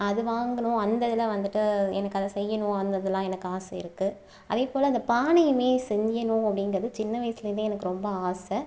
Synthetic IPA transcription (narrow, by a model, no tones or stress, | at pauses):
ɐðɯʋaːŋɡɐɳʊ̃ɐnd̪ɐðɪlɐʋɐnd̪ɯʈːɯɛnɐkːɐðɐsɛjːɐnʊ̃ɐnd̪ɐðɯlãːɛnɐkːɯaːsɐɪ̰ɾɯkːɯ | ɐðeːpoːlɐɐnd̪ɐpaːɳɐjɯmeːsɛɲd͡ʒɐnʊ̃ɐpːɐɽɪnɡɾɐðɯt͡ʃɪnːɐʋɐjsɪlɐɾɯnd̪eːɛnɐkːɯɾɔmbɐaːsɐ